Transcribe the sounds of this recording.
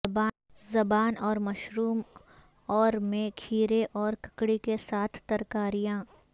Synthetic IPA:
ba | zɐbaːnɔːɾmɐʃɾuːm | ɔːɾmẽkʰiːɾeʔɔːɾkɐ̥kɽikesaːt̪ʰt̪ɐɾkaːɾijãː

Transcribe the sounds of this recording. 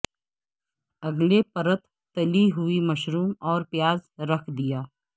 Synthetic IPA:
ɐɡlepɐɾət̪ːɐliɦuimɐʃɾuːmɔːɾpɪjaːzɾɐkʰd̪ijaː

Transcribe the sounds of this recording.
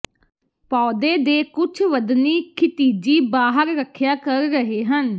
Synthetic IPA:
pɔːd̪eːd̪eːkʊt͡ʃʰʋəd̪niːkʰɪt̪iːd͡ʒiːbaːɦəɾɾəkʰːjaːkəɾːəɦeːɦən

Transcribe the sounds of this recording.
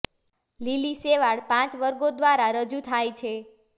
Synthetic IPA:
liliseʋaɭpãt͡ʃʋəɾɡod̪ʋaɾaɾəd͡ʒut̪ʰajt͡ʃʰe

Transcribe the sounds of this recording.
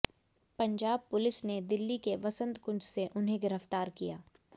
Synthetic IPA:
pɐ̃ɲd͡ʒaːb̚pʊlɪsned̪ɪlːikeʋɐsə̃nd̪kʊ̃nd͡ʒseʔʊnɦeɡɪɾəft̪aːɾkijaː

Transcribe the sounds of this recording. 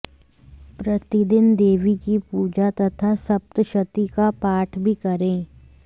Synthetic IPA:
pɾɐt̪ɪd̪ɪnd̪eːʋikipuːd͡ʒat̪ɐt̪ʰasɐp̚t̪ʃɐt̪ikapaːʈʰbʱikɐɾẽː

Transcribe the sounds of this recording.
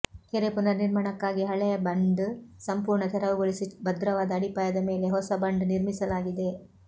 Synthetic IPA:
keɾepunɐniɾmɐɳɐkːaːɡiɦɐɭɛjɐbɐɳɖsɐmpuːɾɳɐt̪ʰɛɾɐʋuɡɐɭisibɐd̪ɾɐʋaːd̪ɐːɽipaːjɐd̪ɐme̞ːle̞ɦɔsɐbɐɳɖniɾmisɐlaːɡid̪e

